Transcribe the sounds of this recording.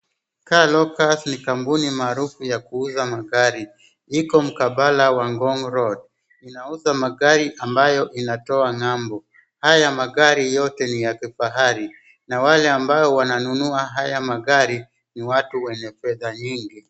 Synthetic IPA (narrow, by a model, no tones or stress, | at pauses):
kalɔkasnikambunimaːɾufujakuuzamaɠaɾi | ikɔm̩kaɓalawaŋɡɔŋɾɔd̚ | inauzamaɠaɾiʔambajɔʔinatɔaŋambɔ | hajamaɠaɾijɔtɛnijakifaɦaɾi | nawalɛambaɔwananunuaɦajamaɠaɾi | niwatuwɛɲɛfɛðaɲiŋɡi